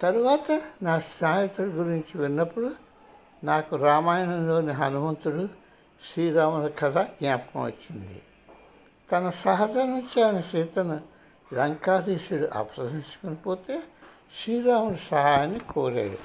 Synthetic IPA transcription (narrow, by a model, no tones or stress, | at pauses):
t̪ɐɾuʋaːt̪ɐnaːsnaːjɐt̪uɽuɡuɾiɲt͡ʃiʋinːɐpːuɽu | naːkuɾaːmaːjɐnɐmloːniɦɐnumɐnt̪uɽu | ʃɾiːɾaːmɐɾɐkʰɐɾaɡnjaːpkɐ̰mʋɐ̰t͡ʃːind̪ḭ | t̪ɐnɐsaːɦɐd̪ʱanut͡ʃaːnɐseːt̪ɐnu | lɐŋkaːd̪eːʃiɽuʔɐ̰pɐsɐdiɲt͡ʃɐ̥konipoːt̪eː | ʃɾiːɾaːmɐɾɐsɐɦaːjɐnːikoːɾḛːɾṵ